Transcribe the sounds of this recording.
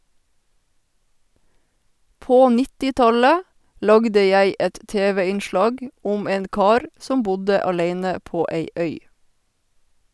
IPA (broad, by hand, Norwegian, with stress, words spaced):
ˈpoː ˈnɪtɪˌtɑlə ˈlɑɡdə ˈjæɪ ˈɛt ˈteːʋɛ ɪnˈʃlɑːɡ ˈʊm ˈeːn ˈkɑːɾ ˈsɔm ˈbʊdə ɑˈleɪnə ˈpoː ˈeɪ ˈœʏ